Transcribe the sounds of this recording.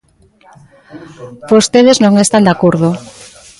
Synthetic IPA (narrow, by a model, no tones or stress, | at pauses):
bost̪eðeznõŋest̪and̪akoɾðʊ